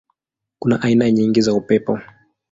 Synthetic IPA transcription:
kunaʔainaɲiŋɡizaupɛpɔ

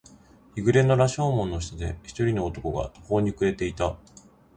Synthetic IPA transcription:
iɡɯ̟ɾe̞no̞ɾaɕo̞ːmõ̞nːoɕi̥t̪ad̪ḛçi̥t̪o̞ɾʲino̞ːt̪o̞ko̞ɡa̰t̪oho̞ːɲ̟ikɯ̟e̞t̪e̞it̪a

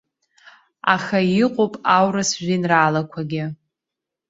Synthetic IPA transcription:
a̰χaɪqʷʼopʼawrɨsʒʷᶣinraːlakʷʰaɡʲɪ

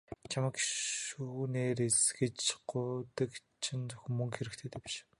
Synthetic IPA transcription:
t͡ɕʰamə̆kʃuːneːɾesɡɘ̆t͡ɕɢʊːt̪ə̆kt͡ɕʰɪnt͡sʊ̥x̆ʲmɵŋxeɾɘ̆kt̪ʰeːt̪eːpi̥ʃ

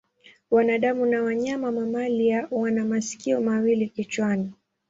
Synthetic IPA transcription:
wanaɗamunawaɲamamamaliawanamasi̥kiɔmawilikit͡ʃwani

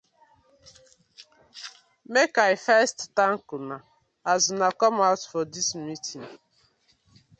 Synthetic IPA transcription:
mekaɪfɛsttãŋkuna | aznakɔmaʊtfɔdismitʰĩŋ

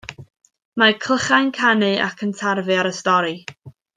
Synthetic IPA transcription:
makʰl̥əχajnkʰanɨʔa̰kʰəntʰarvɨaɾəstɔɾi

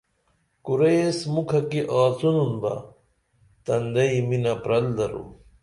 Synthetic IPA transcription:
kuɾejsmukʰɐkiʔaːt͡sununbɐ̰ | t̪ɐnd̪ɐiminɐpɾɐld̪ɐɾṵ

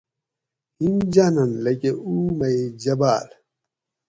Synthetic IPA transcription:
hind͡ʑanɐnlekeumɐed͡ʑɐbaːl

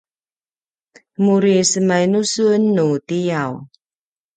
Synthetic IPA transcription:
muɾisəmajnusunːutijaw

